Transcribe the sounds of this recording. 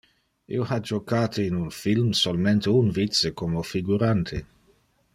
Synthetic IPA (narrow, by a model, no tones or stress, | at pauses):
ʔḭohad͡ʒokaːt̪ʰeinunfilmsolment̪eunvit̪sekomofiɡuɾant̪ʰe